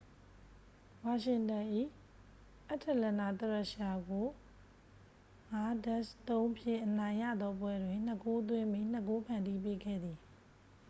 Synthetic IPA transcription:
wa˨ʃɪ̃˨tã˨ʔḭ˦˨ | ʔa˦ʔtʰɛ˨lɛ̃˨na˨t̪ə˨ɹɛ˦˨ʃa˨ɡo˨ | ŋa˨˦dɛ˦˨st̪õ˦ʊ̃mpʰjɪ̰̃˦˨ʔənã˨ɪ̃ja̰˦˨d̪ɔ˦pwɛ˦dwɪ̃˨n̥nə˨ko˦t̪̬wɪ̃˦mi˦˨n̥ə˦˨ko˦pʰã˨ndi˦˨p̬e˦ɡɛ̰˦˨d̪i˨

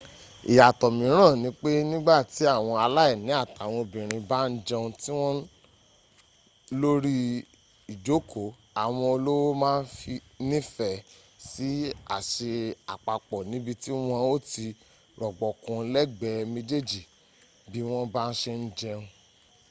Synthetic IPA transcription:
i˨ja˨tɔ˨mĩ˨˦ɾ̃ã˦˨nĩ˨˦k͡pe˦nĩ˦ɡ͡ba˦˨ti˨˦a˦˨w̃ɔ̃˧a˧la˦ɛ˦˨nĩ˨˦a˦˨ta˨w̃ɔ̃˧bĩ˨ɾ̃ĩ˧ba˦n̩˦d͡ʒɛ˧ũ˧ti˦w̃ɔ̃˦ | lo˦ɾi˦ | i˨d͡ʒo˨˦ko˨˦ | a˨w̃ɔ̃˧o˧lo˦wo˦mãː˦n̩˦fi˧ | nĩ˦fɛ˦˨ | si˨˦a̰˦˨ʃe˧a̰˨k͡pa˨k͡pɔ˨nĩ˨˦bi˧ti˦w̃ɔ̃˧o˦ti˧ | ɾɔ˨ɡ͡bɔ˨kũ˧˦lɛ˦ɡ͡bɛ˧mĩ˧d͡ʒe˦d͡ʒi˨ | bi˦w̃ɔ̃˦ba˦n̩˦ʃe˧n̩˦d͡ʒɛ˧ũ˧

